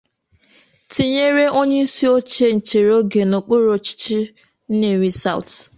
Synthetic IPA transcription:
ti˨ɲe˦ɾe˦o˦ɲe˦i˦si˦o˦t͡ʃe˦n̩˨t͡ʃe˨ɾo˦ɡe˨no˨k͡po˦ɾo˨t͡ʃi̥˦t͡ʃi˦ | n̩˦ne˨ɾi˨sa̰˦˨ʊ̰˨t

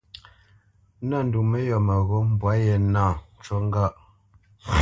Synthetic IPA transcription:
na˦˨n̩˨du˨me˦jɔ˨mə˨ɣo˦m˦bwa˨˦je˨naː˦˨t͡ʃwɔ˦ŋ˦ɡa˦˨ʔ

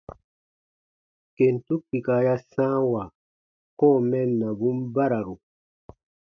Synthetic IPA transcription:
ke˨ntu˦k̚ːi˨ka˨ja˦sãː˦wa˨ | kɔ˦˨mɛ˦nːa˨bu˦mba˦ɾa˨ɾu˨

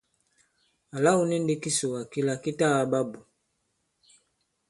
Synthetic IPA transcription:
a˨la˦u˦ni˦n̩˦di˦ki˦su˨wa˨ki˦la˦ki˦ta˦˨a˦ba˦bu˨

